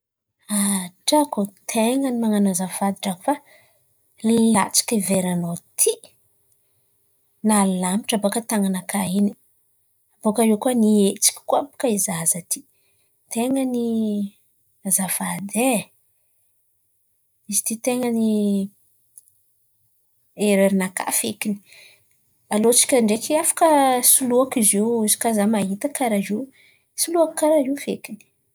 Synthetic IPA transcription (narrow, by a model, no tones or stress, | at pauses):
aʈ͡ʂakot̪ʰeŋənimaŋanazafad̪iʈ͡ʂaku̥fa | la̰t͡si̥kʲiveɾanot̪ʰi | nallami̥ʈ͡ʂabokət̪aŋanakaini | abokaɾewkuaniet͡si̥kʲi̥kʷapu̥kaizazat̪ʰi̥ | t̪eŋəni | azafad̪e | izi̥t̪it̪eŋəni | eɾeɾinaka̰fekini̥ | alot͡si̥kʲaɳɖ͡ʐekiafḁkəsuluakizewizi̥kazamaɦit̪əkaɾaze | suluaki̥kaɾaɦiufekini̥